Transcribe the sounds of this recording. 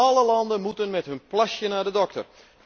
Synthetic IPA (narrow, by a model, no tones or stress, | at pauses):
ɑləlɑndənmutənmɛtɦɵnplasjənaːdədɔk̚tə̰r